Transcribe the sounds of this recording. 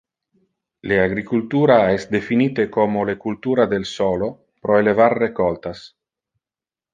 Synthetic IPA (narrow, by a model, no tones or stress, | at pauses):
leaɡɾikult̪uːɾaɛsd̪efiniːt̪ekomolekult̪uːɾad̪elsolo | pɾoelevarːekɔlt̪as